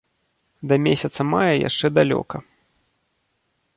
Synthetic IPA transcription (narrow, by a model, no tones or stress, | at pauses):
d̪ɐmʲesʲɐt̪sɐmajɐja̰ʂt͡ʂɛd̪alʲɔ̰kɐ